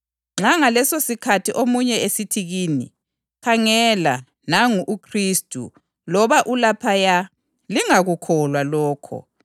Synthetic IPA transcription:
ŋ͡ǁaŋalɛsosikʰatʰiʔomuɲɛesitʰiɣiːnḭ | kʰaŋɛla | naŋuʔːkʰristʼṵ | lɔβaʔulapʰaja | liŋaɣukʰɔlwalɔːkʰɔ̰

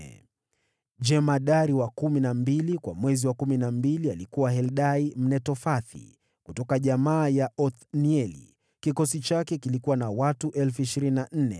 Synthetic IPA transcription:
d͡ʒɛmaɗaɾiwakuminambilikwa̰mwɛziwakuminambilialikuwaɦɛlɗaim̩nɛtɔfaθḭ | kutɔkaʄamaːjaʔɔθniɛlḭ | kikɔsit͡ʃakɛkilikuwanawatuʔɛlfuiʃiɾininan̩nɛ̰

